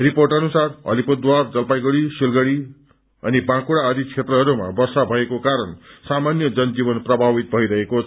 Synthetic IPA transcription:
riporʈʌnusarʌ̰lipod̪ward͡zʌlpajɡʌɽisilɡʌɽi | ʌnibãkuɽaʌd̪it͡sʰet̪rʌɦʌɾuma̰bʌrsabʱʌekokaɾʌnsamanjʌd͡zʌnd͡zibʌnprʌbʱabit̪̚bʱʌiɾʌɦekot͡sʰʌ

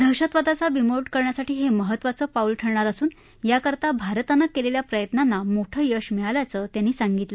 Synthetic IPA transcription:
d̪ʱəɕət̪ʋad̪at͡saʋimoɖkəɾɳjasaʈiːɦeməɦət̪ːʋat͡səːfaulʈʰəɾɳaɾəsuːn | jakəɾt̪abʱaɾt̪anːakːeleljapɾəjət̪nanːamoʈʰəːjəʂmiɭaljat͡səːt̪janːiːsaŋɡit̪lə

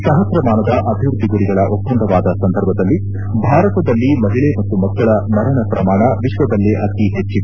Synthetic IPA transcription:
sɐɦɐsɾɐmaːnɐd̪ɐʔɐbʱiʋɾud̪ʱːiɡuɾiɡɐɭɐʔopːɐɳɖ̪ʱɐʋaːd̪ɐsɐnd̪ʱɐɾbʱɐd̪ɐlːi | bʱaːɾɐt̪ɐd̪ɐlːimɐɦiɭemɐt̪ːumɐɡːɐɭɐnɐɾɐɳɐpɾɐmaːɳɐʋiʂʋɐd̪ɐlːeʔɐt̪iɦet͡ʃːi

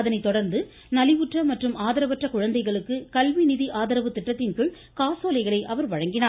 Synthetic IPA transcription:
ɐðɐnɐɪt̪ɔɽɐɾnd̪ɯ | nɐlɪʋɯʈrɐmɐʈrɯmaːðɐɾɐʋɐʈrɐkʊɻɐnd̪ɐɪɣɐɭɯkːɯkɐlʋinɪðiʔaːðɐɾɐʋɯt̪ːɪʈːɐt̪ːɪnkɯɭ | kaːsoːlɐɪɣɐɭɐɪʔɐʋɐɾʋɐɻɐŋɡɪnaː

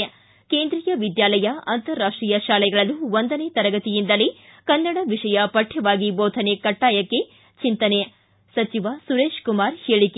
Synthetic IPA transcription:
keːnd̪ɾijɐʋid̪jaːlɐjɐɐnt̪ɐɾːaːʂʈɾijɐʃaːlɛɡɐɭɐluʋond̪ɐneːt̪ɐɾɐɡɐt̪ijind̪ɐlikɐnːɐɽɐʋiʂɐjɐpɐʈʰːɛʋaːɡiboːt̪ʰɐnekɐʈːaːjɐkːe̞ | t͡ʃint̪ɐne | sɐt͡ʃiʋɐsuɾeːʃkumaːɾheːɭike

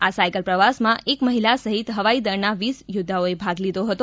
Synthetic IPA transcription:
asajkəlpɾəʋasmãʔekməɦilasəɦit̪ɦəʋaid̪əɾnaʋisjʊd̪ʱːaoebʱaɡlid̪oɦət̪o

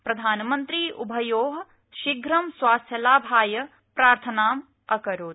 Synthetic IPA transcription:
pɾɐd̪ʱaːnmɐnt̪ɾiːʔubʱɐjoːɦɐ | ʃiɡɾɐmswaːst̪ʰjɐlaːbʱaːjɐ | pɾaːɾt̪ʰɐnaːm | ɐkɐɾoːt̪

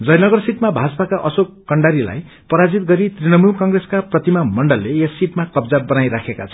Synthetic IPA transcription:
d͡zʌjnʌɡʌrsiʈmabʱad͡zpakaʔʌsokkʌɳɖaɾila̰j | pʌɾad͡zit̪̚ɡʌɾit̪rinʌmulkʌŋɡreskaprʌt̪imamʌɳɖʌlːeesːiʈmakʌbd͡zabʌnajɾakʰekat͡sʰʌ

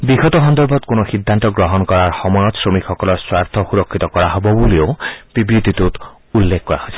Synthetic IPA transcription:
biɡɔt̪ɔɦɔnd̪ɔɾbʱɔt̪konɔxid̪ʱːant̪ɔɡɾɔɦɔnɔkɔɾaɾxɔmɔjɔt̪sɾomikxɔkɔlɔɾswaɾt̪ʰɔxuɾɔkʰːit̪ɔkɔɾaɦɔbɔbuliob̥ibɾit̪it̪ut̪ | ulːekʰkɔɾa̰hɔjsʰi̥

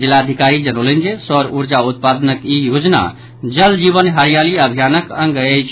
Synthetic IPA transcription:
d͡ʒilːad̪ʱikaɾid͡ʒənəolənd͡ʒesəɾuɾd͡ʒaut̪̚pad̪nəkijod͡ʒna̰ | d͡ʒəld͡ʒiβənɦəɾijaliəbʱjanəkə̃ŋ̆ɡəjt͡ʃʰ

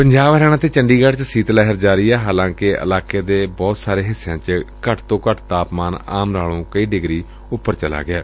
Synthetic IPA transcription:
pəɲd͡ʒaːbɾɛːɽ̃ãːt̪eːt͡ʃəɳɖiːɡəʈt͡ʃsiːt̪lɛːɦəɾd͡ʒaːɾiːɛːɦaːlãːkɪʔə̰laːkeːd̪eːbɔːt̪saːɾeːɦɪsːeãːt͡ʃkəʈt̪õːkəʈt̪aːpmaːna̰ːmɾaːlõːkəiːɖɪɡɾiː | ʊpːəɾt͡ʃəla̰ːɡɪaː

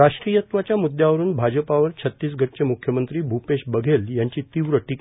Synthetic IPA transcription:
ɾaʂʈɾijət̪ʋat͡ɕjamud̪ʱjaʋəɾuːnbʱad͡ʑəpaʋəɾt͡ɕʰət̪ːiːs̬ɡʱəʈ̚t͡ɕemukʰjəmənt̪ɾiːbʱupeɕbəɡʱeljaɲt͡ɕiːt̪iʋɾəʈik

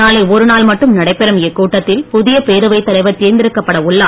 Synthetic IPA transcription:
aːleːɔɾɯnaːlmɐʈːɯmnɐɽɐɪpːɛɾɐmɛkːuːʈːɐt̪ːɪlpʊðɪjɐpeːɾɯʋɐɪt̪ːɐlɐɪʋɐt̪iːnd̪ɪɾɯkːɐpːɐɽɐʊɭːɐ

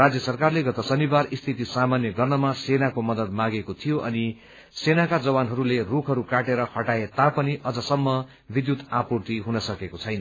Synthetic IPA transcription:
rad͡zjʌsʌrkarleɡʌt̪ʌsʌnibarist̪ʰit̪isamanjʌɡʌrnʌmasenakomʌd̪ʌd̪maɡekot̪ʰijoʔʌni | senakad͡zʌbanɦʌɾulerukʰɦʌɾukaʈeɾʌhʌʈaet̪apʌniʔʌd͡zʌsʌmːʌ | bid̪jut̪apurt̪iɦunʌsʌkekot͡sʰʌjnʌ

